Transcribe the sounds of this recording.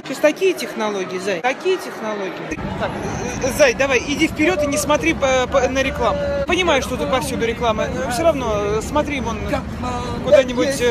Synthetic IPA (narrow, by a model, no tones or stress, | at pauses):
t̪osʲt̪ɐkʲijətʲɪxnɐlˠo̞ɡʲɪjɪzajt̪ɐkʲijətʲɪxnɐlˠo̞ɡʲɪjɪt̪akzajd̪ɐvajɪdʲifpʲɪɾʲo̞t̪ɨnʲɪsmɐt̪ɾʲipənəɾʲɪklˠamʊpənʲɪmajʊʂt̪ot̪ut̪pɐfsʲud̪ʊɾʲɪklˠaməfsʲoɾɐvno̞smɐt̪ɾʲimon | kʊd̪anʲɪbʊtʲ